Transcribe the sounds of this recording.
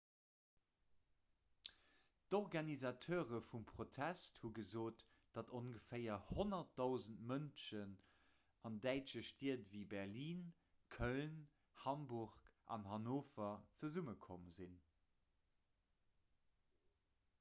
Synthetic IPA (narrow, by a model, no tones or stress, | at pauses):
d̥oʁɡɑnizɑtʰoːʁəfumpχotʰæsthuɡəzoːt | d̥ɑtonɡəfeɪɐhonɐt̚dɑʊzəntmənʃən | ɑndæɪt͡ʃəʃtiətvibɛʁliːn | kʰœln | hɑmbuʁkʔɑ̰nhɑnoːfɐt͡səzuməkʰoməzin